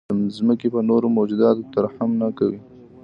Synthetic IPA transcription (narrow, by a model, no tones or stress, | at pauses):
zməkepənoɾomod͡ʒud̪ɑt̪ot̪əɾhamnakawi